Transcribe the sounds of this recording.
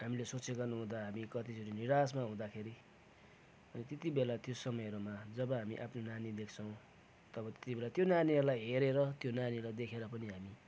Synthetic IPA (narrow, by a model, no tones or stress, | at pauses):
ɦamilesot͡seɡʌrnuɦũd̪aɦamikʌt̪it͡sʰuʈiniɾasmaɦũd̪akʰeɾi | ʌnit̪et̪ibelat̪josʌmʌjʌɾumad͡zʌbʌɦamiʔapʰnonanid̪ekʰt͡sʰʌw̃ | t̪ʌbʌt̪je̥t̪ibelat̪jonaniɦʌɾulajɦeɾeɾʌt̪jonanilajd̪ekʰeɾʌpʌniɦami